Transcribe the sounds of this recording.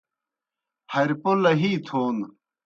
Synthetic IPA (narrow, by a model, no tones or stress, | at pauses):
hɐɾpolɐɦiːt̪ʰoːn